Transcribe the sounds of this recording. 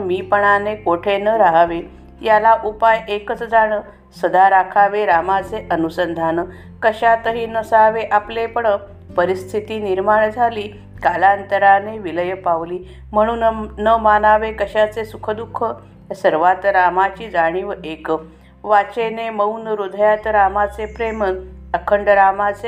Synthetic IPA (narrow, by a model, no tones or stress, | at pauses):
miːpəɳ̃anekoʈʰenəɾaɦaʋe | jalaʔupajekət͡səd͡zaɽə | səd̪ʱaɾakʰaʋeɾamat͡seʔənusənd̪ʱanə | kəɕat̪əɦiːnəsaʋeʔaplepəɳə | pəɾist̪ʰit̪iːniɾmaɳd͡zʱaliː | kalant̪əɾaneʋiləjəpaʋliː | m̤əɽ̃uːnnəmanaʋekəɕat͡sesukʰəd̪ukʰːə | səɾʋat̪ɾamat͡ɕiːd͡zaɽ̃iːʋəekə | ʋat͡ɕeneməwnəɾud̪ʱəjat̪ɾamat͡sepɾeməəkʰəɳɖəɾamat͡se